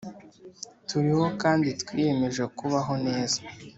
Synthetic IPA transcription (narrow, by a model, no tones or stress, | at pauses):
tuɾiho̞kaːnditwiːje̞me̞ʒekuβaɦo̞ne̞ːzḁ